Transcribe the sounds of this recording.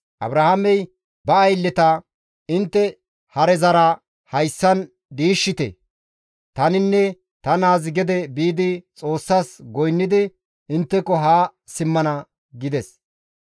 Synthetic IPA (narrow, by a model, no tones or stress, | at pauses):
ʔɐ̰bɾɐhamɛj | bɐːjlːɛt̪ɐ | ɪnt̪ːɛ | hɐɾɛzɐɾɐ | hɐjsːɐn | d̪iːʃːɪt̪ɛ̰ | t̪ɐnɪnːɛ | t̪ɐnaːzɪɡɛd̪ɛbiːd̪ɪt͡sʼo̞ːsːaːsɡɔjnːɪd̪ɪ | ɪnt̪ːɛkːɔɦaː | sɪmːɐnɐ | ɡɪd̪ɛs